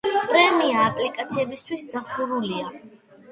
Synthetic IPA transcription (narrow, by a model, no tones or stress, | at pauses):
pʼɾɛmiaːpʼlikʼat̪sʰiɛbist̪ʰwisd̪apʰuɾulia